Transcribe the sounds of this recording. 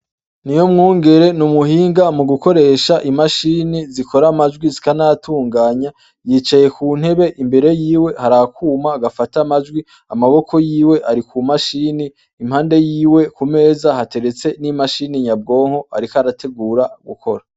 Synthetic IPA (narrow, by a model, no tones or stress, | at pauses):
nijo̞mŋuːŋɡe̞ɾe̞numuhiːŋɡamuɡuko̞ɾe̞ːʃaʔimaʃiːnizikʰo̞ɾamad͡ʒɡwizi̥kanatʰuːŋɡaːɲa | jiːt͡ʃaje̞kuːn̥he̞βe̞ʔimbe̞ɾe̞jiːwe̞haɾakuːmaːɡafatamad͡ʒɡwi | amaβo̞kʰo̞jiːwe̞ʔaɾikʰumaʃiːniː | mhaːnde̞jiːwe̞kume̞ːzahate̞ɾe̞t͡se̞nimaʃiniɲab̚ɡo̞ːŋho̞a̰ɾikaɾatʰe̞ɡuːɾaɡṵkʰo̞ɾa